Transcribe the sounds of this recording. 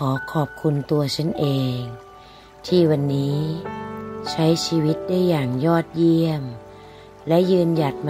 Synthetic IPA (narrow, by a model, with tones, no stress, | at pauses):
kʰɔː˩˦kʰɔː˨˩p̚kʰu˧nt̪u˧ɐt͡ɕʰa˥˩˨nʔeː˧ŋ | t̪ʰiː˥˩wa˧nːiː˦˥ | t͡ɕʰa˦˥jsʰiː˧wi˦˥t̪̚daː˥˩˨jːaː˨˩ŋjɔː˥˩t̪̚ji˧əm | lɛ˦˥ʔjɯː˧nja˨˩t̪̚m